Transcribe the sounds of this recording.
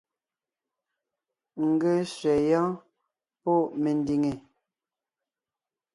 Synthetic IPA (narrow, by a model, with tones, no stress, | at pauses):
ŋ̩˨ɡe˦ʃɥɛ˨jɔ̃˦ | pɔ˦˨ʔme˨n˦di˨ŋe˨